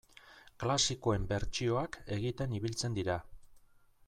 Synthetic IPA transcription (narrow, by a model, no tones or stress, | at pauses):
klasikoe̞mbe̞ɾt͡ʃio̞ake̞ɣit̪e̞niβ̞ilt͡se̞nd̪iɾa